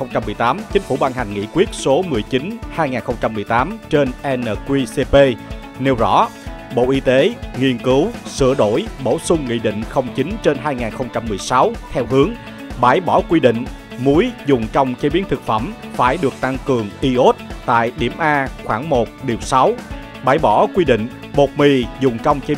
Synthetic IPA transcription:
xə˧wŋ͡mt͡ɕa˧mːɨ˨˩əjt̪aː˨˦mt͡ɕï˨˦ŋ̟fu˧˩ɓaː˧nha˨˩jŋ̟ŋḭ˧˥kwi˦˥ət̚so˨˦mɨ˨˩əjt͡ɕi˨˦nhaː˧jŋaː˨˩nxə˧wŋ͡mt͡ɕa˧mːɨ˨˩jt̪aː˨˦mt͡ɕe˧nʔɛ˧nəː˨˩kwi˧se˧pe˧ | ne˧wzɔ̰˧˥ɓo̰˧˨ʔi˧t̪e˨˦ŋi˧ənkɨ˨˦wsɨ̰˧˩əɗo˧˩jɓo˧˩sʊ˧ŋ͡mŋḭ˧˨ɗḭ˧˨ŋ̟xə˧wŋ͡mt͡ɕï˨˦ŋt͡ɕe˧nɦaː˧jŋaː˨˩nxə˧wŋ͡mt͡ɕa˧mːɨ˨˩əjsa˨˦wt̪ʰɛ˧wɦɨ˨˦əŋ | ɓaː˧˩jɓɔ˧˩kwi˧ɗḭ˧˨ŋ̟ | mu˨˦jzʊ˨˩ŋ͡mt͡ɕə˧wŋ͡mt͡ɕe˨˦ɓi˨˦ənt̪ʰɨ˨˩k̚fə˧˩mfaː˧˩jɗɨ˨˩ək̚t̪a˧ŋkɨ˨˩əŋʔi˧ʔo˦˥t̚t̪a̰ː˧˨jɗi˧˩əmʔaː˧xwaː˧˩ŋmo˨˩t̚ɗi˨˩əwsa˨˦w | ɓaː˧˩jɓɔ˧˩kwi˧ɗḭ̈˧˨ŋ̟ | mo˨˩t̚mi˨˩zʊ˨˩ŋ͡mt͡ɕə˧wŋ͡mt͡ɕe˨˦

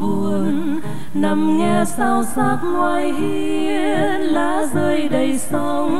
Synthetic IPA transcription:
vu˨˩ən | na˧mŋɛ˧saː˨˩wsaː˨˩p̚ŋwaː˧˩jhi˧˦˧ | laː˧˩zəː˧jɗə˨˩jsə˧w

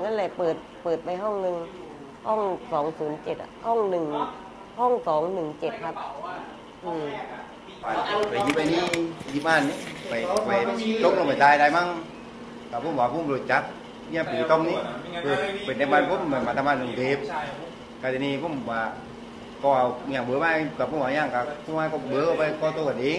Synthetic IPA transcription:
ŋa˧˥˨nlɛ˧˩pɤː˨˩t̪̚pɤː˨˩t̪̚pa˨jɦɔ˥˩ŋnɯ˨˩ŋ | hɔ˥˩ŋsɔː˩˦ŋsuː˩˦nt͡ɕe˨t̪̚ʔhɔ˥˩ŋnɯ˨˩ŋ | hɔ˥˩˨ŋsɔː˨˩˦ŋnɯ˨˩ŋt͡ɕe˨˩t̪̚kʰa˧˦˥p̚ | ʔɯː˧˩ | pa˨˩pa˨˩ki˧˥p̚ʔa˧jniː˧˥˨si˧p̚ʔaː˧˩˨ni˧pa˨˩jpa˨˧jlo˧˥˨ŋlɔ˧˩˨pa˨˩t̪aː˧jdaː˧jma˧˥˨ŋ | kaː˨˩pːm˨aː˨˧˩pʰːɾo˨˩t̚t͡ɕa˧˦˥k̚ | i˧ɲaː˧˩piː˨˩˦t̪ɔ˧˨ŋni˧˥pɯː˧˩pe˨˩na˧maː˧npʰo˧˥˨m˨ma˨˩maː˧˩t̪ʰa˧maː˧˩nːɯ˨˩˨ŋdeː˨˦p̚ | ka˧d̪e˧˨niː˧˨po˧˥˨m˨waː˨˧˩ | kɔː˧˩ʔa˧˩wɲaː˧˩ŋbɤː˨˦maː˧˨kaː˨˩paː˧˦ɲaː˧˩ŋkaː˧˩pʰu˧˨maː˧˩kɔ˧˩bəː˨˧˦kɔ˧˩pa˧jkɔː˧t̪o˧˩ka˨nʔeː˧˦

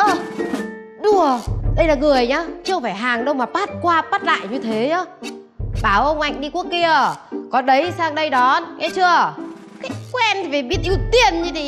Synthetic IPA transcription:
ʔə˧˩ | ɗu˧˩əɗə˧jlaː˨˩ŋɨ˨˩əjɲaː˨˧t͡ɕɨ˧ə˧faː˧˩jɦaː˨˩ŋɗə˧wŋ͡mmaː˨˩paː˦˥t̚kwaː˧paː˦˥t̚la̰ː˧˨jɲɨ˧t̪ʰe˨˦ɲɔ˨˧˦ | ɓaː˧˩wʔə˧wŋ͡mʔa˧jŋ̟ɗi˧ku˦˥əkːi˧əkɔ˨˦ɗə˨˦jsaː˧ŋɗə˧jɗɔ˨˦nʔɛ˧˦t͡ɕɨ˧ə | kaː˨˦jkwɛ˧nt̪ʰi˨˩ve˨˩ɓi˦˥ət̚ʔi˧wt̪i˧ənɲɨ˧t̪i˧˨

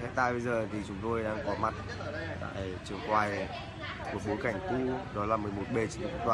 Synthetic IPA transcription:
hḛ˧˨t̪aː˧jɓə˧jzəː˨˩t̪ʰi˨˩t͡ɕʊ˨˦ŋ͡mt̪o˧jɗaː˧ŋkɔ˨˦ma˨˩t̚ | t̪a̰ː˧˨jt͡ɕɨ˨˩əŋkwaː˨˩j | m˨˩t̚ɓo˨˦jka˧˩jŋ̟t̪u˧ɗɔ˨˦laː˨˩mɨ˨˩əjmo˨˩t̚ɓe˨˩t͡ɕḭ˧˨u˧˦˥t̪waː˨˩

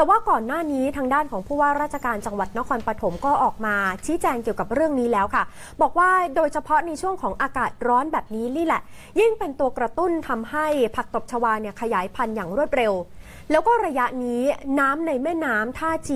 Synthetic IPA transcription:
t̪ɛː˨˩waː˥˩kɔː˨˩nːaː˥˩niː˦˥t̪ʰaː˧ŋdaː˥˩nkʰɔː˩˦ŋpʰuː˥˩waː˥˩ɾaː˥˩t̪̚t͡ɕʰa˧kaː˧nt͡ɕa˧ŋwa˨˩t̪̚na˦˥kʰɔː˧npɾa˧t̪ʰo˩˦mkɔː˥˩ʔɔː˨˩k̚maː˧t͡ɕʰiː˦˥t͡ɕɛː˧ŋki˨˩əwka˨˩p̚ɾɯ˥˩əŋniː˦˥lɛː˦˥wkʰa˥˩ | bɔː˨˩k̚waː˥˩doː˧jt͡ɕʰa˧pʰɔ˦˥na˧jt͡ɕʰu˥˩əŋkʰɔː˩˦ŋʔaː˧kaː˨˩t̪̚ɾɔː˦˥nbɛː˨˩p̚niː˦˥niː˦˥lɛ˨˩ | ji˥˩ŋpe˧nt̪u˧ɐkɾa˧t̪u˥˩nt̪ʰa˧mha˥˩jpʰa˨˩k̚t̪o˨˩p̚t͡ɕʰa˧waː˧ni˥˩əkʰa˧jaː˩˦jpʰa˧njaː˨˩ŋɾu˥˩ət̪̚ɾe˧w | lɛː˦˥wkɔː˥˩ɾa˧ja˦˥ʔniː˦˥naː˦˥mna˧jmɛː˥˩naː˦˥mt̪ʰaː˥˩t͡ɕi˧

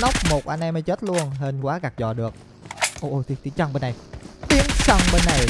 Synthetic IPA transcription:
na˦˥wk͡p̚mo˨˩t̚ʔa˧nʔɛ˧mhə˨˧˦jt͡ɕe˦˥t̚lu˧ənɦe˧nkwaː˨˦ɣa˨˩k̚zɔ̰˨˩ɗɨ˨˩ək̚ | ʔo˧˩ʔo˧˩t̪i˨˧t̪i˨˦ət͡ɕə˧ŋɓe˧nːa˨˩jt̪i˨˦əŋt͡ɕə˧ŋɓe˧nːa˨˩j

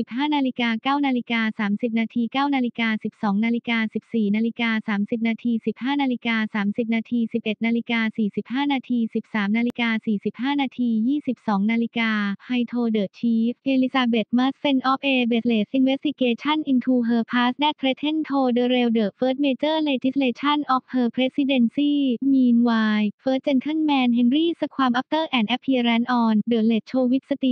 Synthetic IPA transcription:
i˨˩p̚haː˥˩naː˧li˦kaː˧kaː˥˩wnaː˧li˦˥kaː˧saː˩˦msi˨˩p̚naː˧t̪ʰiː˧kaː˥˩wnaː˧li˦kaː˧si˨˩p̚sɔː˩˦ŋnaː˧li˦kaː˧si˨˩p̚siː˨˩naː˧li˦˥kaː˧saː˩˦msi˨˩p̚naː˧t̪ʰiː˧si˨˩p̚haː˥˩naː˧li˦˥kaː˧saː˩˦msi˨˩p̚naː˧t̪ʰiː˧si˨˩p̚ʔe˨˩t̪̚naː˧li˦kaː˧siː˨˩si˨˩p̚haː˥˩naː˧t̪ʰiː˧si˨˩p̚saː˩˦mnaː˧li˦˥kaː˧siː˨˩si˨˩p̚haː˥˩naː˧t̪ʰiː˧jiː˥˩si˨˩p̚sɔː˩˦ŋnaː˧li˦˥kaː˧ha˧jt̪ʰoː˧dɤː˨˩t̪̚t͡ɕʰiː˦˥f̚ʔeː˧li˧˥saː˧be˨˩t̪̚maː˦˥sfe˧nʔɔ˦˥p̚ʔeː˧be˨˩t̪̚le˨˩t̪̚ʔi˧nwe˦st̪i˧keː˧t͡ɕʰa˥˩nʔi˧nt̪ʰuː˧ɦɤː˧pʰaː˦˥sdɛ˥˩t̪̚pʰɾe˦˥t̪ʰːe˥˩nt̪ʰoː˧dɤː˧ɾe˧wdɤː˨˩t̪̚fɤː˦˥t̪̚meː˧t͡ɕɤː˥˩leː˧t͡ɕi˦˥sleː˧t͡ɕʰa˥˩nʔɔ˦˥p̚hɤː˧pʰɾe˦˥si˧de˧nsiː˥˩miː˧nwaː˧jfɤː˦˥t̪̚t͡ɕe˧nkʰɯ˥˩nmɛː˧nɦe˧nɾiː˥˩sa˧kʰwaː˧mʔa˦˥p̚t̪ɤː˥˩ʔɛː˨˩nʔɛ˦˥pʰːiː˧ɾɛ˦˥nʔɔː˧ndɤː˨˩t̪̚le˨˩t̪̚t͡ɕʰoː˧wi˦˥t̪̚sa˧t̪i˨˩

